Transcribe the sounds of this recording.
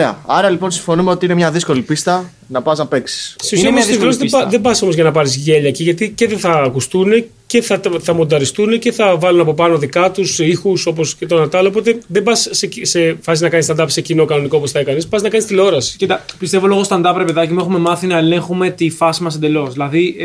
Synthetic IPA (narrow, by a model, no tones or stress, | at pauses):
eɐ̰ɐɾɐlipo̞nsiɱfo̞numeot̪iinemɲɐðisko̞lipist̪ɐ | nɐpɐznɐpe̞ksi̥sseusiɐmslosðeðe̞bɐso̞mozʝɐnɐpɐɾizʝeʎɐeciʝɐt̪ice̞ðeθɐːkust̪une̞ce̞θɐθɐmo̞nd̪ɐɾist̪une̞ceθɐvɐlunɐpo̞pɐno̞ðikɐt̪usixuso̞po̞scet̪o̞nɐt̪ɐlop̬o̞t̪e̞ðebɐsːesefɐsiznɐkɐnist̪ɐnd̪ɐpse̞cino̞kɐno̞nikooposθɐikɐnispɐsznɐkɐnist̪ilo̞ɾɐsi̥it̪ɐpist̪e̞vo̞lo̞ɣost̪ɐnd̪ɐpɾɐpeðɐcimue̞xume̞mɐθinɐele̞ŋxume̞t̪ifɐsimɐs̬e̞nd̪elo̞sðilɐði